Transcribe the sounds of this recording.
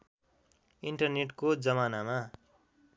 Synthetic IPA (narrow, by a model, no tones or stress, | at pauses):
iɳʈʌrneʈkod͡zʌmanama